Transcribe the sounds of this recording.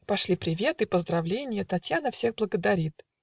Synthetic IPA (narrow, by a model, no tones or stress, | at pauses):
pɐʂlʲipɾʲɪvʲe̞t̪ɨpəzd̪ɾɐvlʲenʲɪjət̪ɐtʲjanəfsʲeɣblˠəɡəd̪ɐɾʲit̪